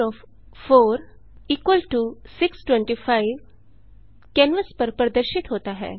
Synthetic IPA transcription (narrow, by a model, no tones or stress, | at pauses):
ɔːf | fʰoːɾ | iːkwəlʈusɪksʈwɛ̃ɳʈiːfʰaːɪʋ | kɛ̃ːnʋəspɐɾpɾɐd̪əɾʃɪt̪ɦoːt̪aɦɛ̰ː